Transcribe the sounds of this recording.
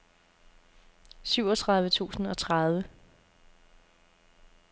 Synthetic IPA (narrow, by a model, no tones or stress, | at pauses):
syʊ̰ɒ̽t͡sʰʁɑ̈ðˠʋət͡sʰṵːsn̩ɒ̽t͡sʰʁað̞ˠʋə